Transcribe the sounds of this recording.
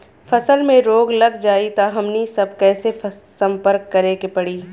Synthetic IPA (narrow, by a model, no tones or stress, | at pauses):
fɐsəlmẽɾoːɡlɐɡd͡ʒaːit̪aɦɐmnisɐb̚ʱkɛːsefsɐ̃mpəɾkːɐɾeːkepɐɽiː